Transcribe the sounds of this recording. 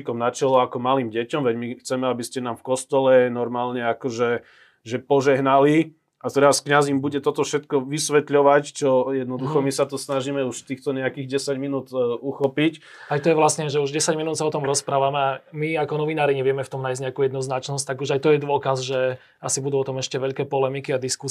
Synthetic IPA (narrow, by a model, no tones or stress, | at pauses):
ikɔmnat͡ʃɛlɔakɔmalimɟɛcɔmʋɛɟmixt͡sɛmɛabiscɛnamfkɔst̪ɔlɛnɔɾmaːlɲɛakɔʒɛ | ʒɛpɔʒɛɦnali | at̪ɛɾaskɲazimbuɟɛt̪ɔt̪ɔfʃɛt̪kɔʋisʋɛt̪ʎɔʋact͡ʃɔjɛd̪nɔd̪uxɔmisat̪ɔsnaʒimɛuʃt̪iːxt̪ɔɲɛakiːɣɟɛsaɟminuːt̪uxɔpic | ajt̪ɔjɛʋlasɲɛʒɛuʒɟɛsaɟminuːt̪saɔt̪ɔmɾɔspɾaːʋamɛamiakɔnɔʋinaːɾiɲɛʋɪɛmɛft̪ɔmnajzɲɛakujɛd̪nɔznat͡ʃnɔs̬c̚ʲt̪aɡuʒajt̪ɔjɛd̪ʊɔkazʒɛ | asibud̪uɔt̪ɔmɛʃcɛʋɛʎkɛːpɔlɛmikiad̪isku